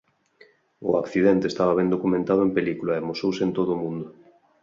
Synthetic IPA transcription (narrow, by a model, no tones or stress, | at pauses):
ʊ̰akθiðɛnt̪eːst̪aβɐβɛnd̪okumẽnt̪að̞oempelikulaemosowsent̪oðʊːmũnd̪ʊ